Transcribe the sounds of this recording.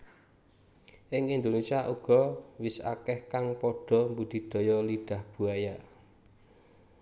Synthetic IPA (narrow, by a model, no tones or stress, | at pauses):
ʔɪŋind̪onesiaʔuɡ̥ɔ̤wɪsa̰kɛhkaŋpɔɖ̥ɔ̤mbud̪̥i̤d̪̥ɔ̤jɔliɖ̥a̤hb̥ṳaja